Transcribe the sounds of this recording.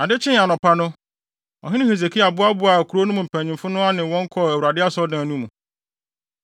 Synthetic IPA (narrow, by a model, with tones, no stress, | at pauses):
a˨dɪ˦t͡ɕʰɪ̃˦˨a˨nɔ̃˨pʰa˦nʊ̃˦ | ɔ̰˨ɦɪ̃˦nɪ̃˦he˨z̬e˨kʰi˦a˨bʊ˦a˦bʊ˦a˨kʰu˨ɾo˦nʊ̃˦mũ˨m̩˨pʰæ̃˨ɲĩ˨mfʊ˦nʊ̃˦a˦nɪ̃˨wɔ̃˦ŋ̩˦kʰɔ˦˨æ˨wu˨ɾa˨dɪ˦a˦sɔ˦dãː˨nũ˦mṵ̃˨